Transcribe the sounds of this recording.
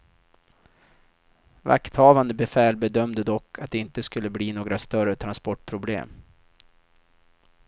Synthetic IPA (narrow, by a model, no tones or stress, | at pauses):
va̰kt̪hɑːvand̪əbɛfɛːlbɛd̪œmd̪əd̪ɔkːat̪̚d̪ɛɪnt̪əskɵlːəbliːnoːɡɾast̪œrət̪ʰɾanspɔʈpʰɾʊblḛːm